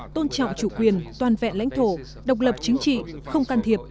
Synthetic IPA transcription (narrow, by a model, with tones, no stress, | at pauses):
t̪o˧nt͡ɕɔ̰˧˨wŋ͡mt͡ɕu˧˩kwi˨˩ənt̪waː˨˩nvɛ̰˧˨nla̰˧˥jŋ̟t̪ʰo˧˩ | ɗə˨˩wk͡p̚lə˨˩p̚t͡ɕï˨˦ŋ̟t͡ɕḭ˧˨xə˧wŋ͡mkaː˧nt̪ʰi˨˩əp̚